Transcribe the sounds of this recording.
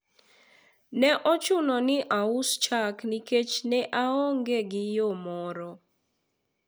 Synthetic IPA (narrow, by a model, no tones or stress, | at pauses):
nɛʔɔt͡ʃʊnɔnɪʔaʊst͡ʃakniket͡ʃnɛʔaɔŋɡeɡɪjomɔɾɔ